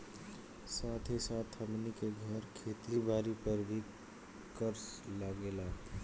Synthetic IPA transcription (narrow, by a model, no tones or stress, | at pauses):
saːt̪ʰesaːt̪ʰəmnikeɡʱəɾkʰeːt̪ɾibaːɾipəɾbʱi | kəɾslaɡela